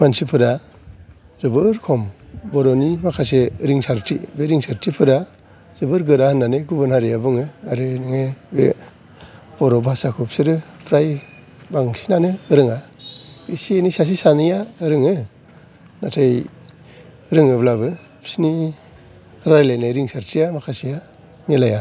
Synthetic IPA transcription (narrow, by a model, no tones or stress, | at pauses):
bʰansipʰɯɾa | zɯbɯɾkʰɔmbɔɾɔnibakʰas̬eɾiŋsaɾtʰibeɾiŋsaɾtʰipʰɯɾa | zɯbɯɾɡɯɾahɯnːanɯjɡubɯnhaɾiabɯŋɯaɾɯnɯŋebe | b̥ɔɾɔbasakʰup̚sɯɾɯpʰɾaj | baŋsi̥nanɯːɾɯŋa | isienisas̬isanɯjaɯɾɯŋɯ | natʰej | ɾɯŋɯblabɯ | psni | ɾaɾlajnajɾiŋsaɾtʰijamakʰasija | nelaja